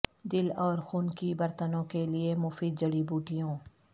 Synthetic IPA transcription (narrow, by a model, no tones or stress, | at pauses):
d̪ɪlɔːɾxuːnkibɐɾt̪ənõkeliemʊfiːd̪̚d͡ʒɐɽibuːʈijõː